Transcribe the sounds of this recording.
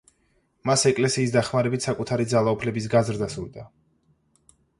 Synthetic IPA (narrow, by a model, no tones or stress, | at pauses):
masɛkʼlɛsiːsd̪aχmaɾɛbit̪ʰsakʼut̪ʰaɾid̪zalˠaupʰlɛbis̬ɡazɾd̪asud̪a